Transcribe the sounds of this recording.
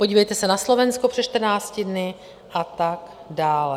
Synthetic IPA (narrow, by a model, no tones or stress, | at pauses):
poɟiːvɛjt̪ɛsɛnaslo̞vɛnskopr̥ɛʃt̪rnaːt͡scɪdnɪ | ʔat̪aɡ | daːlɛ